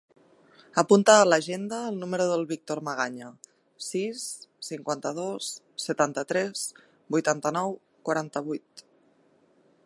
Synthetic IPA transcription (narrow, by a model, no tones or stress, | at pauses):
əpunt̪aːləʒend̪əːlˠnuməɾuðəlˠβik̚t̪oɾməɣ̞aɲə | sisːiŋkwant̪əðosː | ət̪ant̪ət̪ɾɛs | bujt̪ant̪ənɔw | kwaɾant̪əβujt̪